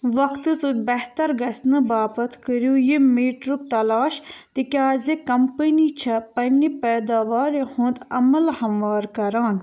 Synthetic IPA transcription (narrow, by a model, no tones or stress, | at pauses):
ʋɐkt̪ɨsɨd̪bɐɦt̪ɐɾɡɐsnɨbaːpɐt̪ʰkəɾjujimeːʈɾub̚t̪ɐlaːʃt̪ikʲaːzekɐmpənit͡ʃʰɐpɐnːipɛːd̪aːʋaːɾehũːnd̪ɐ̰mɐlhɐmʋaːɾkɐɾaːn